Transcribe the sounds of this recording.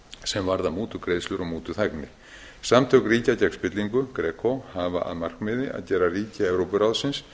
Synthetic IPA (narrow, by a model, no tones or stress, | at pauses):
sɛmvaɾðamuːt̪ʏkɾeːjðslʏɾɔɣmuːt̪ʏθaknɪ | samt̪ʰœkriːcacakspɪt̪liŋkʏkɾɛːkʰohava̰ʔa̰ðmar̥kmɪðɪʔa̰ðcɛːɾariːcaɛvɾowpʏɾawðsɪns